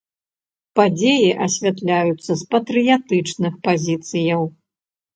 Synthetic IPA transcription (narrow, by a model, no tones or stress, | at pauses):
pad͡zʲejiʔɐsʲvʲat̪lʲajut̪sːɐspɐt̪ɾɨjat̪ɨt͡ʂnɨxpazʲit̪sɨjɐw